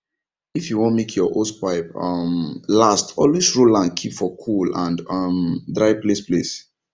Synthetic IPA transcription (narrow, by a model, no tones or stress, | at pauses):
ifjuwɔ̃n̚mekʰjɔʔospaɪpʌmlastɔlwisɹolãnkʰipfɔkʰulã̰ndʌmdɹaɪplesples